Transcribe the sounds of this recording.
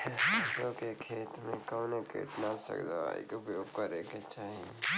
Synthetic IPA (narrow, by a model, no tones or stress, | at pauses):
sokekʰeːt̪mẽkəwnekʰḛʈ̪nasə̰kd̪a̰a̰ḭkobokəɾeket͡ʃʰaːɦie